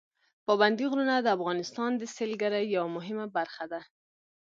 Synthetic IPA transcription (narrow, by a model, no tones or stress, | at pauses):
pɑband̪iɣɾunad̪əafɣɑnɪst̪ɑnd̪əselɡaɾajːawamʊɦɪmabaɾxad̪a